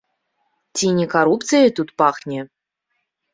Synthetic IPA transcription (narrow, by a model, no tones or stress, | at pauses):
t͡sʲinʲikaɾupt̪sɨjɐt̪ut̪paxnʲɛ